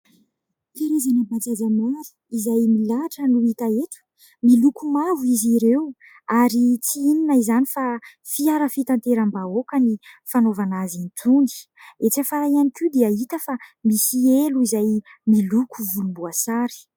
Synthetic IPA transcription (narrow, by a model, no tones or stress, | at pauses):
keɾezanapat͡sazamalu̥izajmilaʈ͡ʂənuit̪aeʈ͡ʂu̥ | milukumavuiziɾew | aɾit͡siininaizanifafiaɾəfit̪ant̪eɾambaokənifanovanazint̪ʰund̪i̥et͡safaɾajanikʲud̪eəit̪əfamisieluizajmilukuvulumbuasaɾi̥